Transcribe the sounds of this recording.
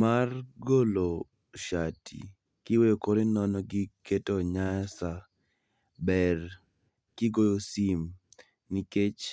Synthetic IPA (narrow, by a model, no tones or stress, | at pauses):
marɡolo | ʃatʰḭ | kɪwejokoɾenɔnɔɡɪketɔɲasa | bɛr | kɪɡojosim | niket͡ʃ